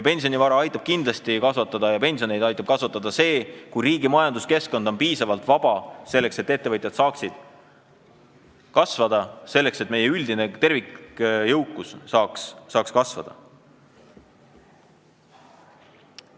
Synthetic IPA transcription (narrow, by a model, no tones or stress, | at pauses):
jɑpe̞nʲsio̞nivɑɾɑɑjt̪ːˑɑb̥̚kind̪lɑst̪ikɑsvɑt̪ːˑɑd̪ɑjɑpe̞nʲsionejd̪ɑjt̪ːˑɑb̥̚kɑsvɑt̪ːˑɑd̪ɑse̞ːkujɾiːɡimɑjɑnd̪̥uske̞sko̞nd̪̥o̞npiːsɑvɑlt̪vɑb̥ɑse̞lːe̞kse̞t̪ːe̞t̪ːe̞vɤt̪ʲˑjɑd̪̥sɑːksid̪̥ | kɑsvɑd̪̥ɑse̞lːe̞kse̞t̪̚ːˑme̞je̞yld̪̥inet̪e̞rvikjɤwkːˑusːɑːksːɑːkskɑsvɑ̰d̪̥ɑ̰